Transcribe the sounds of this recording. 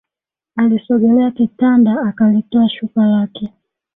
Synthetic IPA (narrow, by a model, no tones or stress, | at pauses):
alisɔɡɛlɛakitandaːkalitɔaʃukalakɛ